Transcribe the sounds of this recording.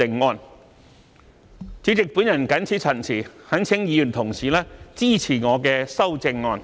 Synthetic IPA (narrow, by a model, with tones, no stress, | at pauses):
ɪ˧ŋːɔː˧n | t͡si˨˥wt͡sɪ˨k̚puː˨˥njɐ˨˩nkɐ˨˥nt͡sʰiː˨˥t͡sʰɐ˨˩nsʰiː˨˩hɐ˨˥nt͡sʰɪ˨˥ŋjiː˨˧jyː˨˩nt̪ʰʊ˨˩ŋsiː˨˩lɛː˥t͡siː˥˩t͡sʰiː˨˩ŋɔː˨˧kɛː˧sɐ˥wt͡sɪ˧ŋːɔː˧n